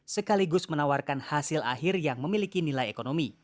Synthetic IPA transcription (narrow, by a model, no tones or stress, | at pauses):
səkaliɡʊsmənawarkanhasɪla̰ɦɪrjaŋməmilikinilajekonomi